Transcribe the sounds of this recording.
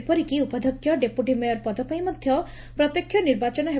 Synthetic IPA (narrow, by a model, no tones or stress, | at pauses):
pɔɾikiupɔd̪ʱɔkʰjɔɖepuʈimɔjɔɾpɔd̪ɔpajmɔd̪ʱjɔ | pɾɔt̪jɔkʰːjɔniɾbat͡ʃɔnɔɦe